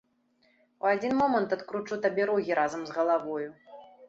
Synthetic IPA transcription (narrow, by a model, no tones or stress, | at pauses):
uad͡zʲinmɔmɐnt̪ɐt̪kɾut͡ʂut̪abʲɛɾɔɣʲiɾazɐmzɣɐlˠavɔju